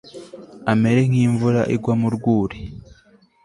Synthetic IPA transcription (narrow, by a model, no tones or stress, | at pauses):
ame̞ɾe̞ŋ̥hiːɱvuɾa̰ʔiɡwamuɾɡwuːɾe